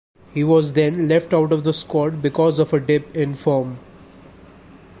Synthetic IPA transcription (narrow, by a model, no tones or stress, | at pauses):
hiːʋɔːzd̪ɛ̃nlɛfʈaʊʈɔʋd̪əskɔːʈ̚bɪkɔːzɔʋəɖɪpɪ̃nfɔːm